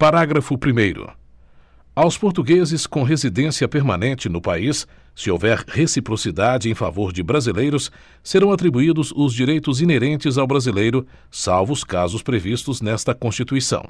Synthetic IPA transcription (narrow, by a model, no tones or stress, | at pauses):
paɾaɡɾɐfʊpɾimejɾʊ̰ | awspoɾt̪uɡezɪskõɦezid̪ẽsiɐpeɾmãnẽnt͡ʃɪnʊpaisː | ɪo̰wvɛɾhesipɾosid̪ad͡ʒɪẽj̃fa̰voɾd͡ʒɪbɾazilejɾʊsː | eɾɐ̃w̃at̪ɾibuid̪ʊzʊzd͡ʒiɾejt̪ʊzineɾẽnt͡ʃɪzawbɾazilejɾʊ | sawvʊskazʊspɾevist̪ʊznɛst̪ɐkõst͡ʃit̪uisɐ̰̃w̃